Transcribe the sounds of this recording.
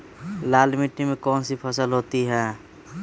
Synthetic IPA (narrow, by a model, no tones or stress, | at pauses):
laːlmiʈːimẽkɔːnsipʰəsəlɦot̪iɦɛ̃ː